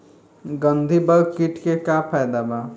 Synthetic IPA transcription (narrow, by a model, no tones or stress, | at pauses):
ɡə̃nd̪ʱibəɡkiʈkekapʰajd̪aba